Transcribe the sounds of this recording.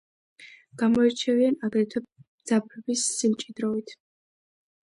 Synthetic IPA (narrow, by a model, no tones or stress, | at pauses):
ɡ̥amɔɛɾt͡ʃʰɛvianaɡɾɛt̪ʰamd̪zapʰɛbisːilt͡ʃʼid̪ɾɔvit̪ʰ